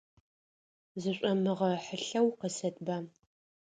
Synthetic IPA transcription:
zɨɕʷʼɐmɨʁɐħəɬɐwqəsɐtʼbaː

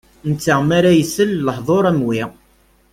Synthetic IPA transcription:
nt͡sːəmaɾajəsəlləħðˤoɾˤæmwi

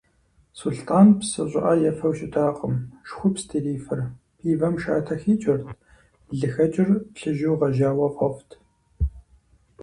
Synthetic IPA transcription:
suɬtʰaːnpsɨɕʼɪ̰ʔɐjɛfɐwʃʼɪtʰaːqʼəmʃxʷʊpstʰiːriːfɨr | pʰiːvɐmʃa̰ːtʰɐxiːt͡ʃʼɐrtʰ | ɮɨxɐt͡ʃʼɪrpɬɨʒuwʁɐʒaːwɐqʼɔftʰ

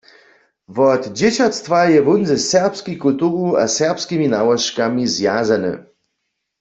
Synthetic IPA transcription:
vɔt̪d͡ʑet͡ɕat̪st̪vajɛvunzɛsɛʁpskʲikult̪uʁua̰sɛʁpskʲiminawɔʃkamizjazanɨ̰

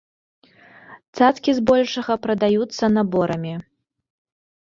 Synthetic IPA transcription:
t̪sat̪kʲizbɔlʲʂɐɣɐpɾɐd̪ajut̪sːɐnabɔɾɐmʲi

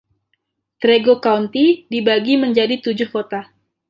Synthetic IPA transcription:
t̪ɾeɡokaunt̪idibaɡiməɲd͡ʒadit̪ud͡ʒʊhkot̪a

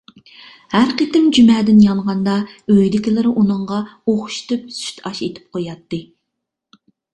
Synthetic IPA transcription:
hæɾqət̪ɪmd͡ʒymɛːd̪ɪnjɑɴʁɑnd̪ɑøjd̪ɪkʲilˠɪɾɪʔunɨɴʁɑoχʃt̪yp̚sy̥ʃt̪ɑʃet̪ʰɪ̥p̚qʰojɑt̪ːɨ

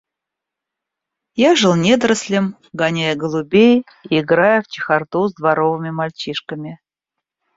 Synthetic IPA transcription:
jaʐɨlˠnʲed̪ɾəsʲlʲɪm | ɡɐnʲajəɡəlˠʊbʲej | iɪɡɾajʊft͡ɕɪ̥xart̪uzd̪vaɾovɨmʲɪmalʲt͡ɕiʂkəmʲɪ

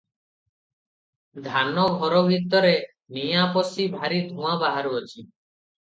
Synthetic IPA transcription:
d̪ʱanɔɡʱɔɾɔbʱit̪ːɔɾe | nijapɔsibʱaɾid̪ʱũabaɦaɾuɔt͡ʃʰi

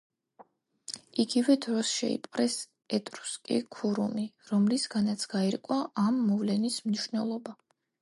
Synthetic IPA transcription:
iɡivɛd̪ɾɔsʃɛ̰ḭpʼɾɛs | ɛt̪ʼɾu̥skʼḭkʰuɾṵmiɾɔmlisɡanat̪sʰɡ̥aiɾkʼwaʔamːɔvlɛnismniʃnɛlˠɔba

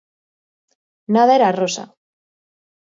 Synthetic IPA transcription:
naðaeɾarosa̰

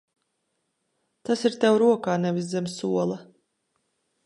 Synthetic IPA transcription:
t̪asiɾt̪ɛwɾuɔkaːnɛviszɛmsuɔlˠɐ

